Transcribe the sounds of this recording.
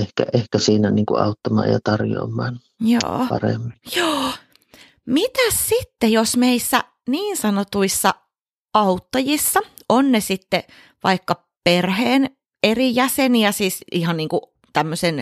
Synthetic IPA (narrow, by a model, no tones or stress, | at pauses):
ehkæ̰ʔehkæsiːnæniːŋkuʔʔɑ̰ˑut̪ːɑmɑ̰ːjɑ̰t̪ɑrjo̰ːmːˑɑːn | jo̰ːpɑ̰rḛmːinjoː | mit̪æssit̪ːejosmeisːæ | niːnsɑnot̪uisːɑ | ɑut̪ːɑjisːɑ | ʔonnesit̪ːe | ʋɑikːɑ | perheːn | erijæseniæsiːsihɑnniːŋku | t̪æmːøsen